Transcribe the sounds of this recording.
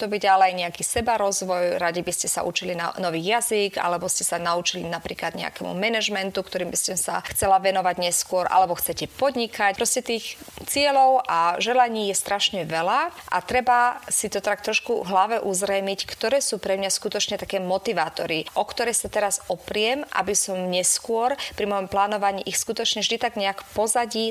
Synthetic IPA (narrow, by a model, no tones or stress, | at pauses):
t̪ɔbiɟalɛajɲɛakisɛbaɾɔzʋɔjɾaɟibiscɛsa̰ʔut͡ʃilinanɔʋiːjaziɡa̰lɛbɔscɛsanaut͡ʃilinapɾiːklad̪ɲɛa̰kɛmṵmɛnɛʒmɛnt̪ukt̪ɔɾiːmbiscɛmsa̰xt͡sɛlaʋɛnɔʋaɟɲɛskʊɔɾʔa̰lɛbɔxt͡sɛcɛpɔd̪ɲikacpɾɔscɛt̪iːxt͡sɪɛlɔʊʔaʒɛlaɲiːjɛst̪ɾʔaʃɲɛʋɛlaʔa̰t̪ɾɛbasit̪ɔt̪ɾak̚t̪ɾɔʃkuɦlaʋɛʔuzɾɛjmickt̪ɔɾɛːsuːpɾɛmɲaskut̪ɔt͡ʃɲɛt̪akɛːmɔt̪iʋaːt̪ɔɾiʔɔkt̪ɔɾɛjsat̪ɛɾazɔpɾɪɛmʔa̰bisɔmɲɛskʊɔɾpɾimɔjɔmplaːnɔʋaɲiːʔixskut̪ɔt͡ʃɲɛvʒd̪it̪aɡɲɛakpɔzaɟiː